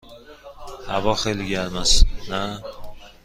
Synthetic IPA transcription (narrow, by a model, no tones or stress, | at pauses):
havɒχelɡʲalmasna